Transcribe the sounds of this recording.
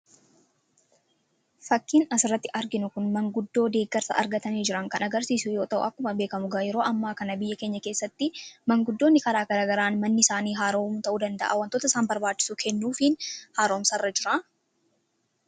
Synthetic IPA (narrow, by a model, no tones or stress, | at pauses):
fɐkːiːnɐsɪrːɐt̪ːɪʔɐɾɡɪnʊkʊnmɐŋɡʊd̪ːo̞ːd̪e̞ːɡːɐɾsɐ̰ʔɐ̰ɾɡɐt̪ɐmiːd͡ʒɪɾɐŋkɐnɐɡɐɾsiːsʊjo̞ːt̪ɐʔʊ̰ʔɐkːʊmɐbe̞ːkɐmʊɡaːjɛɾo̞ːʔɐmːaːkɐnɐbɪjːɐke̞ːɲːɐke̞ːsːɐt̪ːɪmɐŋɡʊd̪ːoːnːɪkɐɾaːɡɐɾaːɡɐɾaːnmɐnːɪsaːniːɦaːɾoːmʊt̪ɐʔuːd̪ɐnd̪ɐ̰ʔa̰ːwɐnt̪oːt̪ɐsaːnbɐɾbaːt͡ʃːɪ̥sʊkʰɛnːuːfɪnhaːɾo̞ːmsɐrːɐd͡ʒɪɾa